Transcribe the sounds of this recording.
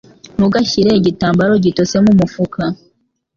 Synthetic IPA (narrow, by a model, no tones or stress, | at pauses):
muɡaçiɾe̞ɟitaːmbaɾo̞ɟito̞se̞mumufukʰa